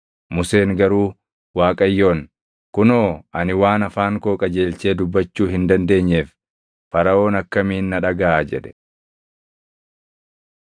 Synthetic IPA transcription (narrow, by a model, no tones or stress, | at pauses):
mʊse̞ːŋɡɐɾuː | waːkʼɐjːo̞ːn | kʊnoːɐnɪwaːnɐfaːŋkoːkʼɐd͡ʒeːlt͡ʃe̞ːd̪ʊbːɐt͡ʃːuːɦɪnd̪ɐnd̪e̞ːɲːeːf | fɐɾɐo̞ːnɐkːɐmiːnːɐᶑɐɡɐaːd͡ʒɛᶑ̪ɛ̥